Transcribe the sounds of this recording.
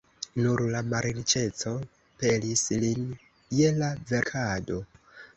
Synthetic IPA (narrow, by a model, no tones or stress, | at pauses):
nuɾlamaɾɾit͡ʃe̞t͡so̞ | pe̞lislin | je̞lave̞ɾkʰado̞